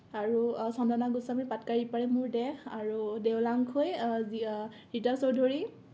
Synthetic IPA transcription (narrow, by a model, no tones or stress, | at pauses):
aɹusɔndanaɡusamipatkaɹipaɹɛmuɹdɛxaɹudɛwlaŋkʰoj | ɹitaɹsodʱoɹi